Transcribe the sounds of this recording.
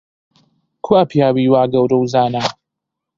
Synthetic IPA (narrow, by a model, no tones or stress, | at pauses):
kʰuapijaːwiːwaːɡɐwɾɐwzaːnaː